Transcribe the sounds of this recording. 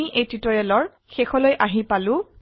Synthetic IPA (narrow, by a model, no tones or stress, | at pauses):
iʔejtitɔɹɛlɔɹ | xexɔlojʔaɦipalʊ̃